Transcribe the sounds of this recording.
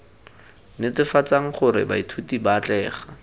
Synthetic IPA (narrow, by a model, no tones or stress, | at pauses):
nɪtɪfat͡saŋ̩χʊɾɪ̰ba̰itʰutibat͡ɬɛːχa